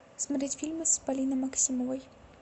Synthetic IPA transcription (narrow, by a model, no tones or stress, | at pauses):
smɾʲet͡sʲfʲilʲmɨspɐlʲinɐjmɐksʲimɔvɐj